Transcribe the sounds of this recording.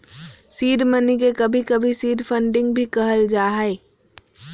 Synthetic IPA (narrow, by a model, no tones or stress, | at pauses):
siːɖmənikekɐbʱikɐbʱisiːɖpʰə̃ɳɖɪ̃ŋɡbʱikɐɦəld͡ʒaːɦɛe